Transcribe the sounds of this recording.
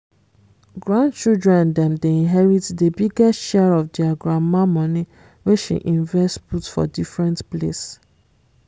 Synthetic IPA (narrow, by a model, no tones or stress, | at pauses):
ɡɹãndt͡ʃildɹɛ̃ndɛ̃mdeĩnɦɛɹitdəbiɡɛsʃɛɹɔfdɛaɡɹamamɔ̃ni | weʃḭʔĩɱvɛstputfɔ̰difɹɛ̃ntplḛs